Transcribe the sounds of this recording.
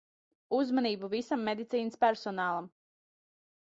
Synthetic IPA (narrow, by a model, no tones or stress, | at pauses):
uzmaniːbuvisamːed̪it̪siːnəspæɾsɔnaːlˠam